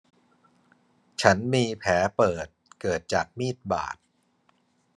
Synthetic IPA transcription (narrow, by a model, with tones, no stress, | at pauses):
t͡ɕʰa˦˥nmiː˧pʰɛː˩˦pɤː˨˩t̪̚kɤː˨˩t̪̚t͡ɕaː˨˩k̚miː˥˩t̪̚ba̰ː˨˩t̪̚